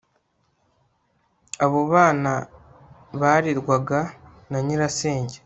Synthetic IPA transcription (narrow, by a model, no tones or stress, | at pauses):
aβoβaːna | βaːɾiɾɡwaɡa | naɲiɾase̞ːɲɟe